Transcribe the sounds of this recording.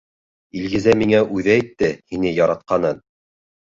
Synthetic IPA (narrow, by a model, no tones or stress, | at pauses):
ilɡɘ̆zæmiŋæʔʉðæit̪ːɘhinɘjɑɾɑt̪̚qɑnɤn